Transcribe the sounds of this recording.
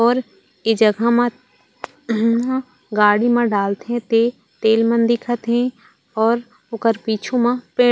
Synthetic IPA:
ɔːɾ | ed͡ʒəɡʱamã | ã | ɡaːɽimãɖaːlt̪ɦɛ̃t̪e | t̪eːlmãnd̪ɪkʰət̪ɦɛ̃ | ɔːɾ | ʊkəɾpiːt͡ʃʰumãpẽː

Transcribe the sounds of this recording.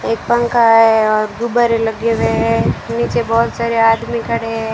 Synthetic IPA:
eːk̚pə̃ŋkaɦɛɔːɾd̪ubaɾelɐɡeʋeɦɛniːt͡ʃebɔːt̪saːɾeaːd̪mikəɽeɦɛ

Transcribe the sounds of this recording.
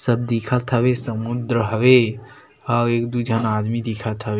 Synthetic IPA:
səb̚d̪ikʰat̪ʰəʋesəmud̪ɾəɦəʋe | ɦaweːkd̪ud͡ʒʱənaːd̪mid̪ikʰat̪ʰəʋe

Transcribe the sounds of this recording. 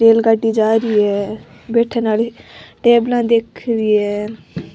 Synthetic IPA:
ʈeːlɡaɖːiːd͡ʒaːɾiːɛː | beːʈʰẽːnaːleʈeːblãːd̪eːkʰɾiːɛː

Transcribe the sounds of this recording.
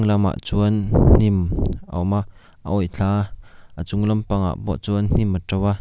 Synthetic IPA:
ŋlɐma̰ʔt͡suənn̥imʔa̰wmaʔ | ə̰ʔɔjt͡ɬʰaːʔət͡sʊŋlɐmpaŋa̰ʔbɔ̰ʔt͡suənn̥iməʈ͡ʂɐwa

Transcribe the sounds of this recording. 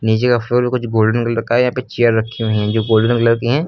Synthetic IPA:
niːd͡ʒekafɾoːɾbikʊt͡ʃʰɡoːlɖənɡəlɾkaɛjɐɦãːpet͡ʃejəɾːɐkʰːiʋɐɦĩɦɛ̃d͡ʒoːɡoːlɖənkɐləɾkiɦɛ̃ː

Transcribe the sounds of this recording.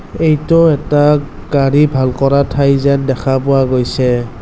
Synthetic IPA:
ejtɔɛta | ɡ̥aɹibʱalkɔɹatʰajzɛndɛkʰapʊwaɡojsɛ

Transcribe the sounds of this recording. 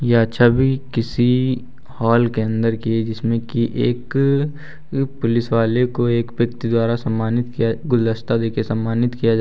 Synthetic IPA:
jeɐtːʃʰabʱikɪsi | hɔːlkeə̃nd̪əɾkied͡ʒɪsmẽkiʔeːk | pʊlɪsʋaːlekoeːkʋjɐkt̪id̪waːɾasɐmːaːnɪt̪kijaɡʊləst̪ad̪eːkʰesɐmːaːnɪt̪kijad͡ʒa

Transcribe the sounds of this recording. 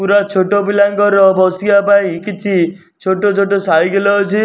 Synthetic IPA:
uɾat͡ʃʰoʈobilaŋɡɔɾɔbɔsibapaĩkit͡ʃʰi | t͡ʃʰoʈot͡ʃʰoʈɔsaiɡelɔɔt͡ʃʰi

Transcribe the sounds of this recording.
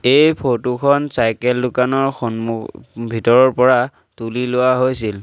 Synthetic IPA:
ejpʰotukʰɔnsajkɛldukanɔɹxɔnmubʱitɔɹɔɹpɔɹa | tulilʊwaɦojsil

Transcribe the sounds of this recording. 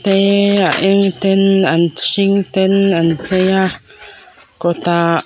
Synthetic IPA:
t̪eaʔeŋt̪enanʃiŋt̪enant͡seja | kot̪a

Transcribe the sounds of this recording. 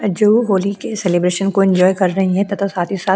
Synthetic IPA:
d͡ʒoɦoːlikeseːleːbɾeːʃənkoɪ̃ɲd͡ʒɔːjkɐɾːɐɦiɦɛ̃t̪ɐt̪ʰosaːt̪ʰisaː

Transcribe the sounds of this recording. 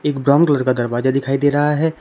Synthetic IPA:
eːkbɾɔ̃ŋkləɾkad̪əɾbaːd͡ʒad̪ɪkʰaːid̪eɾɐɦaɦɛ

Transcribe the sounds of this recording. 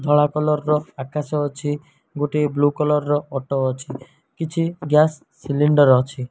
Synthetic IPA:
d̪ʱɔɭakɔlɔɾɾɔakasɔːt͡ʃʰi | ɡoʈeblukɔlɔɾɔɾɔɔʈɔːt͡ʃʰi | kit͡ʃʰiɡjasːiliɳɖɔɾɔt͡ʃʰi

